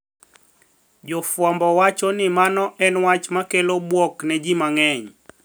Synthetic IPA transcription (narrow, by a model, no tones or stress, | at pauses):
d͡ʒɔfwɔmbɔwat͡ʃɔnɪmanɔʔɛnwat͡ʃmakelobwɔknɛd͡ʒimaŋɛɲ